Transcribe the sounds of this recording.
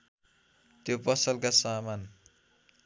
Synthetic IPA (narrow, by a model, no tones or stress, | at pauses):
t̪jopʌsʌlkasaman